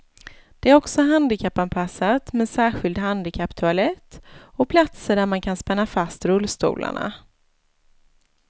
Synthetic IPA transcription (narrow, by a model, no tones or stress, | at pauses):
d̪̥ɛæɾɔksɔɦand̪ɪkʰapːanpʰasːat̪mɛnsæːɾɧɪld̪ɦand̪ɪkʰapːt̪ʰɵalɛt̪ːɔpʰlat̪səɖæɾmankʰanspɛnːafast̪ɾɵlːst̪ṵːla̰ɳa̰